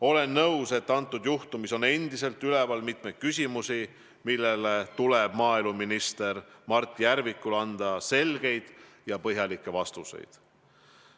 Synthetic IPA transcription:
o̞le̞nːɤwse̞t̪ːɑnt̪ˑːud̪juht̪umiso̞ne̞nd̪ise̞lt̪ːˑylevɑlmit̪me̞jt̪̚kysʲimusi | milːelet̪uleb̥mɑːilmuminist̪e̞ɾmɑrt̪ːˑijæɾvikːˑulɑnd̪̥ɑse̞lɡ̥e̞jd̪̥ | jɑpɤɦjɑlikːˑe̞vɑst̪usḛjd̪̥

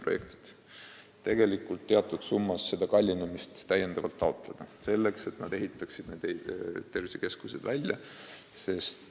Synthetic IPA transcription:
pro̞je̞kt̪i̥t̪ | t̪e̞ɡ̥e̞likːˑult̪ːe̞ɑt̪ːˑud̪̥sumːɑsːe̞d̪̥ɑkɑlʲːinemist̪ːæjːend̪̥ɑvɑlt̪ːɑo̞t̪ˑle̞d̪̥ɑse̞lːe̞kse̞t̪nɑd̪e̞ɦit̪ːˑɑksid̪ned̪ejd̪t̪ːe̞rvisike̞skusḛd̪vælʲjɑ | se̞st̪

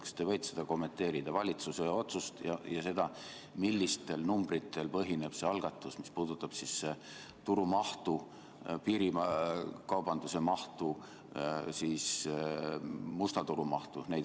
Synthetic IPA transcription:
kst̪evɤjt̪sed̪ɑko̞mːe̞nt̪e̞ːɾid̪̥ɑvɑlʲit̪suseo̞t̪sust̪jɑ̰jɑse̞d̪̥ɑ | milːist̪e̞lnumb̥rit̪ːˑe̞lpɤɦine̞b̥se̞ɑlɡ̥ɑt̪ːˑusmispuːd̪̥ut̪ːˑɑb̥sisːe̞ | t̪uɾumɑht̪u | piːɾimkɑwb̥ɑnd̪̥use̞mɑht̪u | siːs | must̪ɑt̪uɾumɑht̪unej

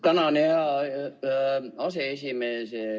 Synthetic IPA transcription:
t̪ɑnɑnehæ | ɑseesimeːse

